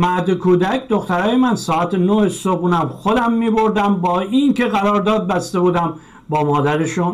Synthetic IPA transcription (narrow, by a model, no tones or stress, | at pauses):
mæɾd̪ekʰuːd̪ækʰd̪oxt̪æɾɒːjemænsɒːæt̪ʰenohesobunæmxod̪æmːiːbo̞ɾd̪æmbɒːinkʰeɣæɾɒːɾd̪ɒːd̪̚bæst̪e̞buːd̪æm | bɒːmɒːd̪æɾeʃun